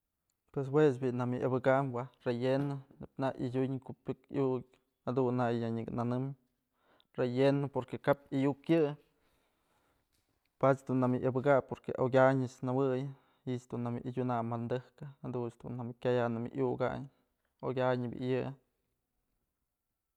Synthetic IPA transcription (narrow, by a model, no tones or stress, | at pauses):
pwes̬wes̬biʔnamɨʔabɨɡaʔmwarejenonepnaʔḭdʲuɲkupʲjokjukʲ | had̪unːajaɲɨknanɨm | rejenopoɾkekap̚ajukjɨ | pat͡ʃd̪unːamiʔabɨɡapoɾkḛʔoɡʲaɲɨsnawɨj | iʔt͡ʃd̪unamḭʔd͡ʒʲunamːand̪ɨhkɨhad̪unsd̪ṵnːamikʲajanamḭʔjuɡa̰ɲ | oɡʲaɲbʲḭʔjɨ